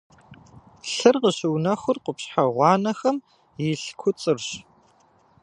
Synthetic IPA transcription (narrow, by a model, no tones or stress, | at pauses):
ɬɨrqəɕɪwnɐxʷʊrqʷʊpɕħaʁʷɑːnɐxɐm | jɪɬkʷʰʊt͡sʼɨrɕ